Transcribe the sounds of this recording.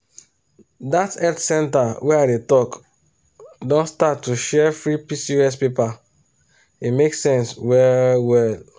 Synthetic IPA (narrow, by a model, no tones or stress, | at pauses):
datɛltsɛ̃ntawɛaɪdetɔk | dɔ̃nstatːuʃɛfɹipisiɹɛspepa | imeksɛ̃nswɛwɛl